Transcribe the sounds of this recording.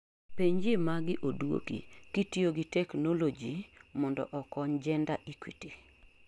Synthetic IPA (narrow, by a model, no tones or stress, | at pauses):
peɲd͡ʒɪmaɡɪʔodwo̰kḭkitioɡitɛknolod͡ʒimɔndɔ̰ʔɔkɔɲd͡ʒɛndaʔikwiti